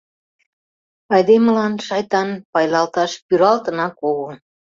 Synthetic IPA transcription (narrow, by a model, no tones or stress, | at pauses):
ɑjd̪eməlɑnʃɑjt̪ɑnpɑjlɑlt̪ɑʃpyɾɑlt̪ə̆nɑkoɣo